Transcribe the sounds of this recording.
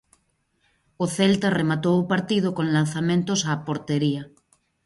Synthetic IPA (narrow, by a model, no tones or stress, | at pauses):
oθelt̪aremat̪owopaɾt̪ið̞okõnlan̟θamẽnt̪osapoɾt̪eɾia